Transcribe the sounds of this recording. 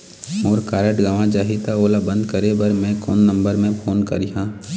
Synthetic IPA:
ɔːɾkaːɾəʈɡaʋãd͡ʒaːɦit̪aoːlabə̃nd̪kəɾebɐɾmɛ̃ko̰ːnːə̃mbəɾmẽpʰoːnkɐ̰ɾiɦãː

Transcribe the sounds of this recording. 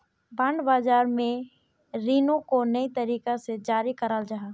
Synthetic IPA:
bãːɳɖbaːd͡ʒaːɾmẽ | ɾiːnõkonəit̪əɾiːkased͡ʒaːɾikəɾald͡ʒaːɦaː

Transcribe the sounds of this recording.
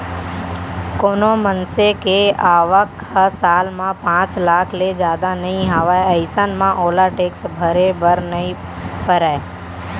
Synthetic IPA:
koːnomənsekeaːʋəkhəsaːlmãpãːt͡ʃlaːkʰled͡ʒjaːd̪anɐɦĩɦaʋaeəɪsənmãʔoːlaʈeːksbʱəɾebəɾnəĩ | pəɾae

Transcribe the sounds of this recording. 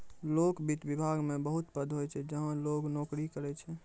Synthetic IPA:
loːkbʱit̪bibʱaɡmẽbəɦut̪pəd̪ʱɦojt͡ʃʰɛd͡ʒəɦə̃loːɡnoːkɾikəɾɛt͡ʃʰɛ

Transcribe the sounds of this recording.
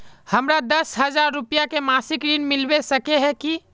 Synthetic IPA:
həmɾad̪əsɦəd͡ʒaɾːupijakemasikɾinmilbesəkeɦɛ̃ki

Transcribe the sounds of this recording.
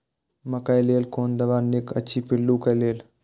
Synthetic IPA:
məkajleːlkoːnd̪ɐʋaːnekə̰t͡ʃʰipɪlːukəjleːl

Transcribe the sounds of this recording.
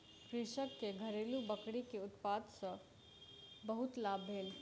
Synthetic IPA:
kɾiːʃəkːeɡʱəɾeːlubəkɽikeʊt̪paːd̪sə̃ | bəɦʊt̪laːbʱɦeːl

